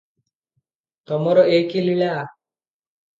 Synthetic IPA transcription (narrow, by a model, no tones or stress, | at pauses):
t̪ɔmɔɾɔʔekiliɭa